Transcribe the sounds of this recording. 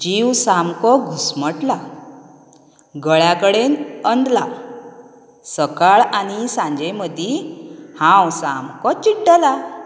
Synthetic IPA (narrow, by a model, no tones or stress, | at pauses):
d͡ʑiwsamkɔɡʱusməʈla | ɡəɭjakəɽenənd̪la | səkaɭaɽ̃isãɲd͡ʑeməd̪ʱihãwsamkɔt͡ɕiɖəla